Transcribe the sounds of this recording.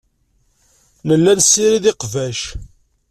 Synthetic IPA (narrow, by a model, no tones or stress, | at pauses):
nəlːænsːiɾiðɪqvæʃ